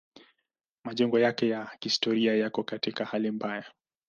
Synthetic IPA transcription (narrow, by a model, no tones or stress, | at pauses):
maʄɛŋɡɔjakɛjahistɔɾiajakɔkatikahalimbaja